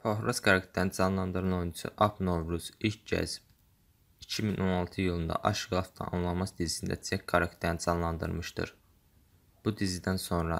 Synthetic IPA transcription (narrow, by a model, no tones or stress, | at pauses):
pʰoɦɾosɡɑɾakt̪ʰeɾnid͡ʒɑnlˠɑnd̪ɯɾɯnounusṵʔɑpʰno̞vɾuz̥ilcɟæ̰zb | icʰiminʔo̞nɑlˠt̪ʰɯjɯlˠɯnd̪ɑ̰ʔɑʃɡlˠɑft̪ʰɑ̰nɑnlˠɑmɑsd̪izisind̪æ̰t͡sʰek̚ɡaɾakt̪ʰeɾnid͡ʒɑnlˠɑnd̪ɯ̰ɾmɯʃt̪ɯ̰ɾ | b̥ud̪izid̪ænso̞nɾɑ